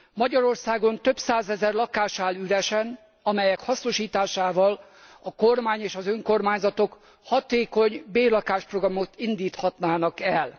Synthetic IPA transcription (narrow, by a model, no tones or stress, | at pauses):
mɒɟɒɾo̞rsaːɡo̞nt̪øbpsaːzɛzɛrlɒkaːʃaːlyɾɛʃɛn | ɒmɛjɛkhɒsno̞ʃiːt̪aːʃaːvɒl | ɒko̞rmaːɲeːʃɒzøŋkormaːɲzɒt̪o̞k | hɒt̪eːko̞ɲbeːrlɒkaːʃproɡrɒmo̞t̪ind̪iːt̪hɒt̪naːnɒkɛl